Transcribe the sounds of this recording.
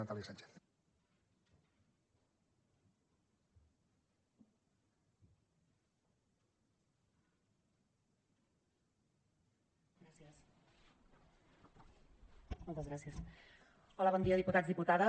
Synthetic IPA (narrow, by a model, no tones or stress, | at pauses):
at̪alisant͡ʃe̥θ | ɾasiəs | mɔlˠt̪əzɣɾasiəs | ɔləβɔnd̪iəðiput̪ad͡zzðiput̪aðə